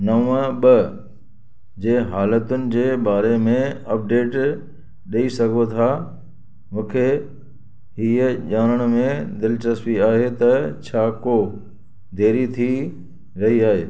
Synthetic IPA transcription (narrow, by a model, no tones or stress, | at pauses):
nɐʋə̃ɓɐ | d͡ʑeːɦaːlət̪ʊnɪ̆d͡ʑeːɓaːɾemẽɐp̚ɖeːʈ | ɗɐisɐɡʱot̪ʰaː | mũːkʰe | ɦiːəʄaːnəɽ̃mẽd̪ɪlɪt͡ɕəspiaːɦet̪ɐt͡ɕʰaːko | d̪ʱeːɾit̪ʰi | ɾɐɦiaːɦeː